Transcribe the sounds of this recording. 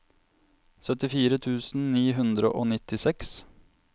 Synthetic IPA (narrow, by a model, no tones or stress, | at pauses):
sœt̪ɪfiːɾət̪ʰʉːsn̩niːɦʉnd̪ɾə̰ʔoːnɪt̪ɪsɛks